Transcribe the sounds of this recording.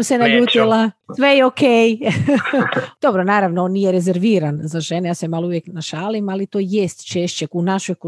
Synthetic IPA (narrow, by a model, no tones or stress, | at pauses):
msenaʎuːt̪ilasʋejeokʰej | d̪̥o̞bɾonaːɾaʋnoonnijeɾezeɾʋiːɾanzaʒenejaːsemaːlouʋjeknaʃaːlimalit̪oːjest̪t͡ʃeʃt͡ɕeunaʃojk